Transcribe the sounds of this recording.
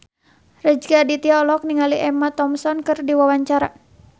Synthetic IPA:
rəd͡ʒɡadit̪iɔlɔk̚niŋaliʔɛmat̪ɔmsɔnkɨrdiwawaɲt͡ʃaɾa

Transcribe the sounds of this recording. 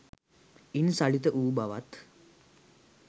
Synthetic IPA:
insaɭit̪əʔuːbaʋat̪

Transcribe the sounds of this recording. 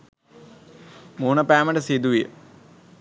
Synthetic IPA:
muːnɐpaːmɐɳɖɐsed̪uʋijə̰

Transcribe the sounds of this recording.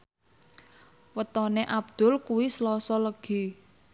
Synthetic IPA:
wət̪ɔneʔab̚d̪̥ʊ̤lkuwislɔsɔləɡ̥i̤

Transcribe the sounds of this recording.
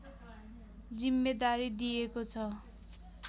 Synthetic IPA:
d͡zimːed̪aɾid̪ijekot͡sʰʌ

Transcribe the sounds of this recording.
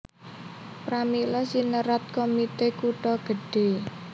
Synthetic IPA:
pɾamilɔsinəɾat̪̚komit̪ekuʈɔɡ̥ə̤ɖ̥e̤

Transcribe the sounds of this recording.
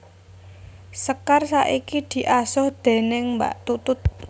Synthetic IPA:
səkarsaʔikid̪̥i̤ʔasɔhd̪̥e̤nɪŋmba̰ʔt̪ut̪ʊt̪̚

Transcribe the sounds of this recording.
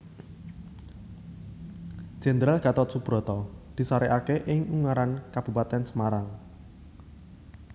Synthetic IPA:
d͡ʒ̥ɛ̤nd̪ɾalɡ̥ä̤t̪ɔt̪̚sub̥ɾɔ̤t̪ɔd̪̥i̤saɾeʔakeʔɪŋuŋaɾankab̥ṳpat̪ɛnsəmaɾaŋ

